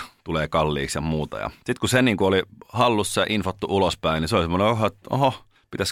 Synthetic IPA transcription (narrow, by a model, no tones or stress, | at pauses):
t̪uleːkɑlːiːksjɑmuːt̪ɑ̰jɑ̰sit̪kuseniːŋkuolihɑlːusːɑjɑʔinfot̪ːuulospæiniseolisemːoneohoet̪o̰ɦo | pit̪æs